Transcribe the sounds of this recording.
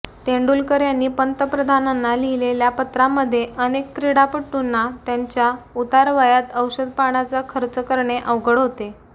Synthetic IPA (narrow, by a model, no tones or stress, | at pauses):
t̪eɳɖulkəɾjanːiːpənt̪əpɾəd̪ʱananːalileljapət̪ɾamːəd̪ʱːjeʔənekːɾeɽapəʈːunːat̪jaɲt͡ɕjaut̪aɾʋajat̪əwɕəd̪̚paɳ̃at͡sakʰəɾt͡səkəɾɳeʔəʋwɡəɽɦot̪e